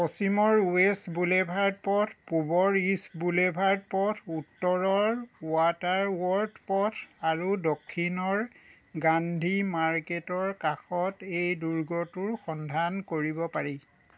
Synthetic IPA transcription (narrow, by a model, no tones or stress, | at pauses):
pɔsimɔɹuesbulebʱaɹd̚pɔtʰpubɔɹisbulebʱaɹd̚pɔtʰutːɔɹɔɹwataɹwɔɹdpɔtʰaɹudokʰːinɔɹ | ɡandʱimaɹketɔɹkaxɔtejduɹɡɔtʊɹxɔndʱankoɹibɔpaɹi